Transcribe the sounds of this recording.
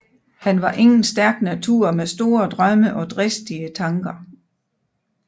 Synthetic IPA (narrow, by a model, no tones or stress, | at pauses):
hænʋɑ̈ʔe̝ŋn̩sd̥æɐɡ̥næt͡sʰuɐ̰mesd̥o̝ːɐd̥ʁɶməʔɒ̽d̥ʁɛsd̥iət͡sʰɑ̈ŋɡ̥ɐ